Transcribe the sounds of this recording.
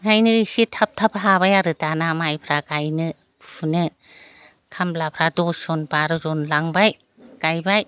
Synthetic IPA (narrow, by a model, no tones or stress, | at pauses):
ŋajnɯsitʰap̚tʰapɦabajaɾɯtanamajpʰɾakajnɯ | pʰunɯ | kʰamlapʰɾadɔsɔnbaɾɯzɔnlaŋbaj | kajbaj